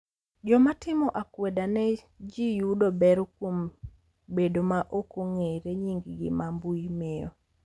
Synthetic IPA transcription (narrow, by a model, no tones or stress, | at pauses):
d͡ʒɔmatɪmɔʔakwedanɛ | d͡ʒijudobɛɾɔkwom | bedomaʔokoŋeɾeɲiŋɡɡɪ̰mambujmɪjɔ̰